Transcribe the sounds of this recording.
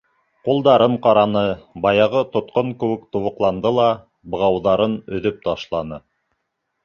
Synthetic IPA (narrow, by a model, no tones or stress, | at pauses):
qulˠd̪ɑɾɤɴqɑɾɑnɤbɑjɑʁɤt̪ŏt̪̚qoŋkɘ̆wɘ̆kt̪ŏβɤ̆qlˠɑnd̪ɤlˠɑ | bɤ̆ʁɑwðɑɾɤnɵ̆ðɵp̚t̪ɑʃlˠɑnɤ